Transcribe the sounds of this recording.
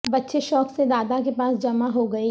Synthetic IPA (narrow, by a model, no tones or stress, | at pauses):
bɐtːʃeʃɔːksed̪aːd̪ak̬epaːsd͡ʒɐmaɦoɡɐi